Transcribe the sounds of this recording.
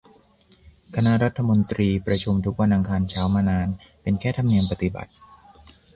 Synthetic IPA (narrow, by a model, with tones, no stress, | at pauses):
kʰa˧na˦˥ʔɾa˦˥t̪ʰːa˧mo˧nt̪ɾiː˧pɾa˧t͡ɕʰu˧mt̪ʰu˦˥k̚wa˧nʔa˧ŋkʰaː˧nt͡ɕʰaː˦˥wmaː˧naː˧n | pe˧nkʰɛː˥˩t̪ʰa˧mni˧əmpa˨˧t̪i˨˩ba̰˨˩t̪̚